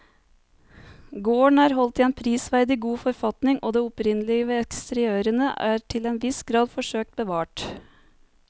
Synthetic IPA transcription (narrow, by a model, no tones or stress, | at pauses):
ɡoːɳæːɾɦɔlt̪iːeːnpʰɾiːsʋæɾd̪ɪɡuːfɔɾfɑt̪nɪŋʔo̰ːd̪eːʊpɾɪnəlɪəʋeːɛkst̪əɾɪøːɾənəʔæːɾʈʰɪleːnʋɪsɡɾɑːd̪fɔʂøːk̚t̪̚bəʋɑːʈ